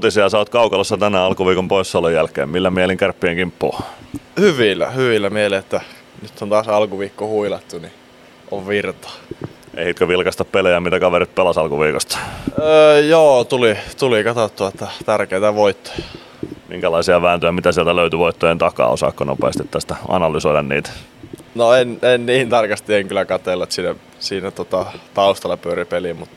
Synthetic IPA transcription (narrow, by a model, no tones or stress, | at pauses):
ut̪isiɑsɑːt̪kɑukɑlosːɑt̪ænæːɑlkuʋiːkompoissɑlːojælkḛːmmilːæmieliŋkærpːieŋkimpːuːhyʋilːæ̰hyʋilːæmieleet̪ːæ | nyt̪ːont̪ɑːsɑlkuʋiːkːohuilɑt̪ːuni | ʔoʋʋirt̪ɑ̥ḛihit̪køʋilkɑst̪ɑppelejæmit̪ækɑʋeɾit̪̚pelɑsɑlkuʋiːkost̪ɑ̥əːjoːt̪ulit̪ulikɑt̪ot̪ːuɑet̪ːæt̪ærkeit̪æʋoit̪ːo̥jɑ | mḭŋkælɑisiɑʋæːnt̪øjæmit̪æsiælt̪æløyt̪yʋoit̪ːojent̪ɑkɑ̰o̰sɑ̰kːono̰pḛːst̪it̪t̪ːæst̪æɑ̰nɑlysoidɑnnḭːt̪æ̥ | noenenniːnt̪ɑrkɑst̪ieŋkylækɑt̪elːɑt̪sinːæ | siːnæt̪ot̪ɑt̪ɑust̪ɑlɑpyøɾipelimut̪